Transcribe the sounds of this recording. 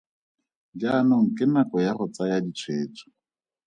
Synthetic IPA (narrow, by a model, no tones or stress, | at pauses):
d͡ʒanɔŋ̩kɪnakɔjarʊt͡sajadit͡sʰweːt͡sʰʼɔ̥